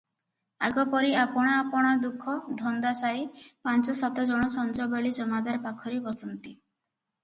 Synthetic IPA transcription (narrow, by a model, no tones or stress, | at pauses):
aɡɔpɔɾiapɔɽ̃aːpɔɽ̃ad̪ukʰɔd̪ʱɔnd̪asaɾipant͡ʃɔsat̪ɔd͡ʒɔɽ̃ɔsɔnd͡ʒɔbeɭid͡ʒɔmad̪aɾpakʰɔɾebɔsɔnt̪i